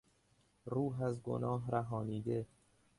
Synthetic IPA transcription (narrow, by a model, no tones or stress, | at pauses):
ɾuːɦæzɡo̰nɒːɦɾæɦɒːniːd̪e